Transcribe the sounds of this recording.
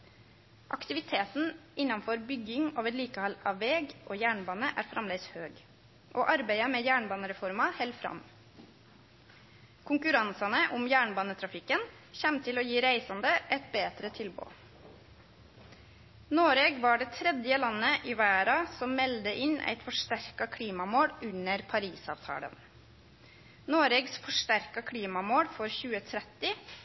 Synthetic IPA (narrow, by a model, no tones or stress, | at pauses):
ʔɑ̰kt̪ɪʋɪt̪ʰeːt̪n̩ɪnːɑnfɔɾbʏɡɪŋɑːʋəɾliːkəhɑlɑ̰ːʋʋeːɡʔoːjæːɳbɑːnəʔæːɾfɾʔɑmleːɡshøːɡ | ʔoːʔɑɾbæɪəmeːjæːɳbɑːnəɾɛfɔɾmɑhɛlfɾɑ̰m | kʰʊŋkʉɾɑnsɑnəʔʊmjæːɳbɑːnət̪ʰɾɑfɪkːən | çɛmt̪ʰɪloːjiːɾæɪsɑnd̪əʔɛt̪beːd̪ɾət̪ʰɪlbo̰ː | noːɾeːɡʋɑɖeːt̪ʰɾɛd̪jəlɑnːəʔiʋæːɾɑsɔmmɛld̪əʔɪnʔæ̰ɪt̪fɔʂʈæɾkɑkʰliːmɑmoːɽʉnəɾpʰɑɾiːsɑ̰ːʋt̪ʰɑ̰ːɽə̰n | noːɾeːɡsfɔʂʈæɾkɑkʰliːmɑmoːɽfɔɾçʉːət̪ʰɾɛt̪ɪ